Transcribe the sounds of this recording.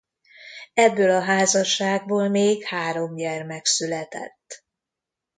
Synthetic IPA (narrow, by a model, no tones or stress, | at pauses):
ɛbːøːlɒɦaːzɒʃaːɡ̚boːlmeːɡhaːɾo̞mjɛrmɛksylɛt̪ɛ̰t̪ː